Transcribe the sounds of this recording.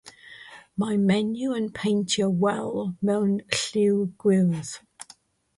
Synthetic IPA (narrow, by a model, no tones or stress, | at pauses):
maɪmɛnjuə̃npʰẽɪ̃ntəwɛlˠmõʊ̃nɬʉːɡ̥ɹɪlˠz̥